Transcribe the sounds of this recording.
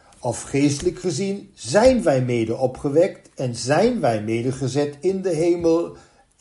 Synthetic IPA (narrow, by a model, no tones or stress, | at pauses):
ɔfχejstələkχəzinzɛjnʋɛjmejdəɔpχəʋɛktɛnzɛjnʋɛjmejdəχəzɛtɪndəɦejməlˠ